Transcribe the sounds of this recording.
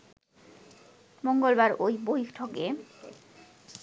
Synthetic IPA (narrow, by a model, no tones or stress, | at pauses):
moŋɡolbaɾojbojkʈʰoke